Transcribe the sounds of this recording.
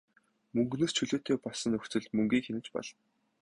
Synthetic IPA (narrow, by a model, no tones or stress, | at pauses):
mɵŋɡnoːst͡ɕʰɵɮoːt̪ʰeːpɔɮsə̆nɵxt͡sɘ̆ɮt̪mɵŋɡiːŋxenɘ̆t͡ɕpɔ̰ɮ̥